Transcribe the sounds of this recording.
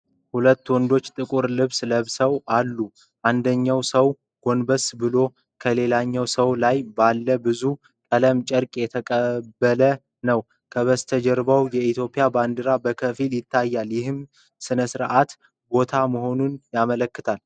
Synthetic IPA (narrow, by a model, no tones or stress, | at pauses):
hulət̪ːwɔnd̪o̞t͡ʃːt̪ʼɨkʼuɾlɨβsləβsəwalːu | ʔand̪əɲːawsəw | ɡ̥o̞nbəsbɨlo̞ | kʰəle̞laɲːawsəwlajbalːəbɨzu | kʼələmt͡ʃʼəɾkʼjɛt̪ʰəkʼəbːələ | nəw | kʰəβəst̪ʰəd͡ʒɛɾbawjɛit̪ʰjo̞pʼijaband̪ɨɾabəkʰəfiljɪt̪ʰːajːaljɪhɨm | sɨnəsɨɾʔat̪ | bo̞t̪ʰaməho̞nunjamələkːɨt̪ʰal